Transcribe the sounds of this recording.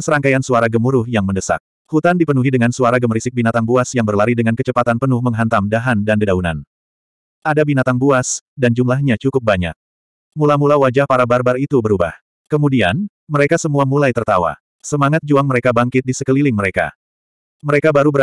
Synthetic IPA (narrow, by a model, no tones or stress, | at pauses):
əsəɾaŋkajansuaɾaɡəmuɾʊhjaŋməndəsa̰k̚ | hut̪andipənuɦidəŋansuaɾaɡəmɾisɪk̚binat̪aŋbuasjaŋbərlaɾidəŋankət͡ʃəpat̪anpənʊhməŋɦant̪amdaɦandandədauna̰n | ʔadabinat̪aŋbuasdand͡ʒumlaɦɲat͡ʃukʊp̚baɲa̰k̚ | mulamulawad͡ʒahpaɾabarbarit̪ubəɾuba̰h | kəmudian | məɾekasəmuamulajt̪ərt̪awa̰ | səmaŋat̪̚d͡ʒuaŋməɾekabaŋkɪt̪̚disəkəlilɪŋməɾeka̰ | məɾekabaɾubəɾ